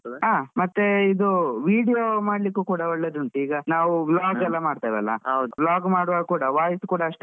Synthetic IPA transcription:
ɦaːmɐt̪ːeid̪uʋiːɽijomaːɽlikːuːkuːɽɐɔɭːed̪uɳʈ̪uiːɡɐnaːʋublaːɡɛlːɐmaːɖt̪ajʋɛlːɐ̰ɐwd̪blaːɡmaːɽʋaːɡkuːɽɐʋaːjisukuːɽɐɐʂʈe

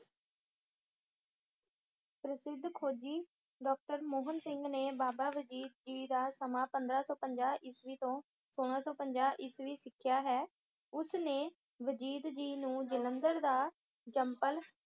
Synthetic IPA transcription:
pɾəsɪd̪ʱkʰoːd͡ʒiː | ɖɔːk̚ʈəɾmoːɦənsɪŋɡneːbaːbaːʋəd͡ʒiːd̪̚d͡ʒiːd̪aːsəmãːpənd̪ɾaːsɔːpəɲd͡ʒaːʔɪsʋiːt̪õː | soːɽ̃ãːsɔːpəɲd͡ʒaːʔɪsʋiːsɪkʰɪjaːɦɛː | ʊsneː | ʋəd͡ʒiːd̪d͡ʒiːnũːd͡ʒənənd̪əɾd̪aː | d͡ʒəmpəl

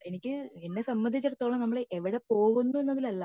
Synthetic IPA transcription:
e̞nikʲːɨenːe̞sɐmbɐnd̪ʱit͡ɕːɐɾɐt̪ːoːɭɐnɐmːɐɭʔeʋiɽe̞po̞ːɣunːue̞nːɐðilɐlːɐ

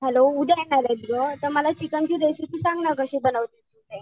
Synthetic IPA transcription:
ɦɛloud̪ʱjenaɾab̪iɡət̪əməlat͡ɕikant͡ɕĩɾesitiːsãŋɡnakəɕẽbənəʋt̪et̪ut̪e

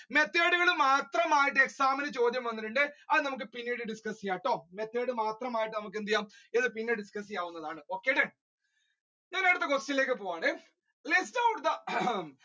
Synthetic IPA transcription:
me̞t̪ːeːɽuɣɐɭɨmaːt̪rɐmaːjiʈːɨe̞ksaːmɐnɨt͡ɕo̞ːd̪jɐmʋɐnːiʈːuɳɖɨɐðɨnɐmuk̬ːɨpinːeɽɨɖiskɐsijaːjiʈːo̞ːme̞t̪ːeːɽɨmaːt̪rɐmaːjiʈːɨnɐmuk̬ːend̪ijaːmiðɨpinːeɖiskɐsijaːʋwunːɐðaːɳɨo̞ːkːeːɖeɳ | enːejɽt̪ːekosilːeːk̬ːɨpoːjaːɳɨ | listɐwʈd̪ɐ

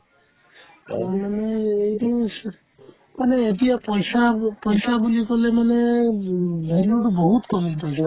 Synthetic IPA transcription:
manɛːjdi | manɛːtijapɔjsapɔjsabulikɔlɛmanɛ | bʱelɔʈɔbɔɦutkɔlipɔjsa

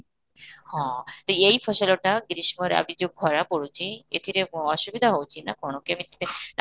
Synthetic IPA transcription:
hɔ̃t̪oejpʰɔʃoloʈaɡɾiʃmoɾa̰bʱid͡ʑoɡ̚ɡʱɔɾapoɽut͡ɕʰiḛt̪ʰiɾemɔʃubid̪ʱaɦowt͡ɕʰina̰konokeamit̪ʰi̥t̪e

